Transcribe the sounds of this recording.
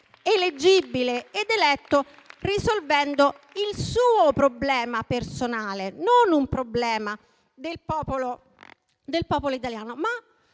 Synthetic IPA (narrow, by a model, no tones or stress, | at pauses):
eled͡ʒibileed̪elɛt̪ːo | risolvɛnd̪o | ilsuːopɾoblɛːmapersonaːlenonumpɾoblɛːma | d̪elpɔːpolo | d̪elpɔːpoloit̪aljaːnoma